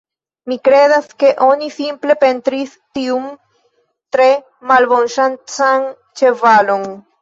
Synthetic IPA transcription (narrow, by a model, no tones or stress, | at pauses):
mikɾedaske̞ʔo̞nisimple̞pe̞ntɾis | tium | tɾe̞ | malbo̞nʃant͡san | t͡ʃe̞valo̞n